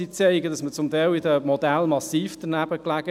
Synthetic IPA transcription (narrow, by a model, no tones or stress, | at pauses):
it͡seɪɡədɑsmət͡sʊmt̪aɪlidəmɔd̪ælmɑsiːfd̥ənæb̥əklæɡ̥ə